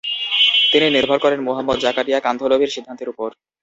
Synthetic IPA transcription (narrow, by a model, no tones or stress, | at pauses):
t̪ininiɾbʱɔɾkɔɾenmoɦamːod̪d͡ʑakaʈijakand̪ʱolobʱiɾʃid̪ʱːant̪eɾupoɾ